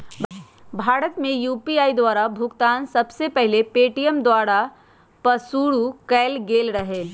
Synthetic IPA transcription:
bʱaːɾət̪mẽjuːpiaːid̪waːɾabʱʊɡt̪aːnsɐbsepɛɦlepeːʈijəmd̪waːɾa | pɐsuːɽukɛːlɡeːlɾɐɦeː

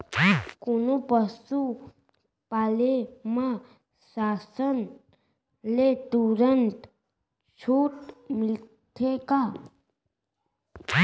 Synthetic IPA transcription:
konopəsu | palemã | sasən | let̪uɾənt̪ | t͡ʃʰuːʈmil | t̪ʰeka

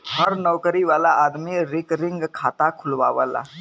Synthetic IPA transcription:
ɦəɾnɔːwkɾiʋaːlaʔaːd̪miɾɪkɾɪ̃ŋɡkʰaːt̪akʰʊlʋa̰ːʋəːla̰

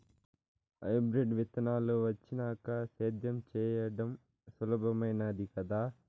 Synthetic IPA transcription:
ɐ̰jbɾeɖʋit̪ɐnaːloʋɐt͡ʃːinaːkɐseːd̪jɐmt͡ʃɛːjɐɽɐm | sɐlɐbʱɐmɐjnɐd̪ikɐd̪aː

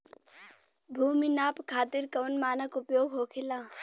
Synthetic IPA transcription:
bʱuːminaːpkʰaːt̪ɪɾkɐʋnmaːnəkʊpjoːɡɦoːkʰɪlaː

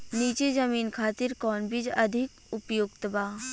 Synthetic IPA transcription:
niːt͡ʃezɐmiːnkʰaːt̪ɪɾkɔːnbʱɪd͡ʒɐd̪ʱɪk | ʊpjoɡt̪əbaː

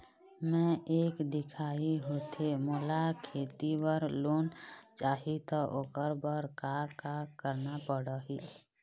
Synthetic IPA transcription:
mɛ̃ʔeːkd̪ɪkʰaːiɦot̪emoːlakʰeːt̪ibəɾloːnt͡ʃaːɦit̪ɔʔoːkəɾbəɾkakakəɾnapəɽəɦi

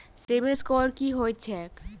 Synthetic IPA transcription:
sebeskɔɾkiɦojt͡ɕʰek

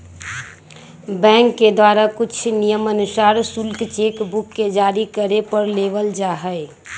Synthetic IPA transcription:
bɛ̃ːŋkːed̪waːɾakʊt͡ʃʰnijəmənʊsaːɾsʊlkt͡ʃeːkbʊkːed͡ʒaːɾikəɾepəɾleːʋəld͡ʒaːɦəe

